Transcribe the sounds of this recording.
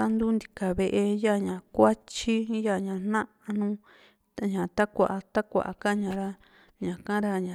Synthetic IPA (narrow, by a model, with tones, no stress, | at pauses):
a˦nd̪u˦nd̪i˧ka˨βe˧ʔe˧ja˦˨ɲã˨kʷa˦t͡ʃi˦ja˦˨ɲã˧˨n̥nã˦ | a˧nũ˦ | a˨ɲã˨t̪a˦kʷa˨ʔa˧t̪a˦kʷa̰˨a̰˨˧ka˦ɲã˧˨ɾa˦ | ɲã˨kã˦ɾa˧ɲã˨